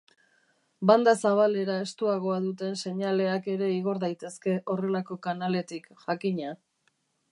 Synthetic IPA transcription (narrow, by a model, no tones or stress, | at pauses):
band̪asaβ̞ale̞ɾae̞st̪uaɣo̞aðut̪e̞nse̞ɲale̞ake̞ɾe̞iɣo̞ɾðajt̪e̞ske̞ʔo̞re̞lako̞kanale̞t̪ikʝakiɲa